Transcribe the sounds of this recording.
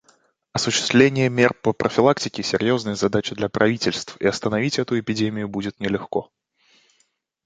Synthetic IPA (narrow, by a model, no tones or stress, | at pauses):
ɐsʊɕːɪ̥st̪vlʲenʲɪjəmʲe̞rpəpɾʔəfʲɪlˠaktʲɪkʲɪsʲɪɾʲjo̞znəjəzɐd̪at͡ɕɪd̪lʲɐpɾʔɐvʲitʲɪlʲst̪fḭɐst̪ənɐvʲitʲɛt̪ʊɪpʲɪdʲemʲɪjʊbudʲɪt̪nʲɪlʲɪxko̞